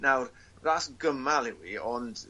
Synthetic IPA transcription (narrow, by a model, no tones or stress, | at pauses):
nawr | rasɡəmalˠiwiɔnd